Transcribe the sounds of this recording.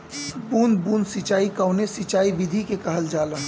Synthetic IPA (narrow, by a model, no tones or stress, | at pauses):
buːnbuːnsit͡ʃaːikaʊnesit͡ʃaːibid̪ʱikekɐɦəld͡ʒaːlə